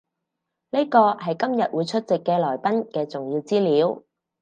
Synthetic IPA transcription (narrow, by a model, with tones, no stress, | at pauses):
ne˥jkɔː˧hɐ˨jkɐ˥mjɐ˨t̚wuː˨˧jt͡ʃʰɵ˥t̚t͡sɪ˨kːɛː˧lɔː˨˩jpɐ˥nkɛː˧t͡sʊ˨ŋjiː˧wt͡siː˥liː˨˥w